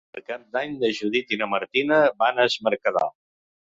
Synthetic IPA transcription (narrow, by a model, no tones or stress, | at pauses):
əlˠkap̚d̪aɲd̪əʒuðit̪inəməɾt̪inəβanəzməɾkəða̰